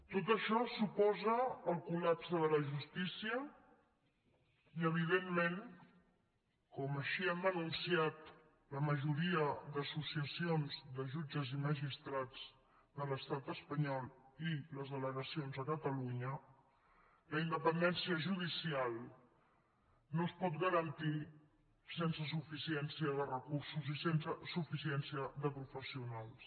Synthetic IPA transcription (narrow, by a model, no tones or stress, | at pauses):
t̪ot̪əʃɔsupɔzəːlˠkulapsəðələʒust̪isiə | iəβ̞iðemːẽn | kɔməʃiɛmənunsiat̪ | ləməʒuɾiəd̪əsusiəsionzðəʒud͡ʒəziməʒist̪ɾad͡z | d̪ələst̪at̪əspəɲɔlˠiləzðələɣəsionzəkət̪əluɲə | ləind̪əpənd̪ɛnsiəʒuðisialˠ | nospɔt̪̚ɡəɾənt̪i | sensəs̬ufisiɛnsiəðərəkursuzisensəsufisiɛnsiəðəpɾufəsiunalˠs